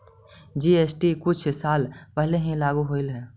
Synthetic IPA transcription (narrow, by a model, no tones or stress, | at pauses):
d͡ʒiːeːsʈikʊt͡ʃʰsaːlpɛɦleɦĩlaːɡuɦoːɪlɦɛː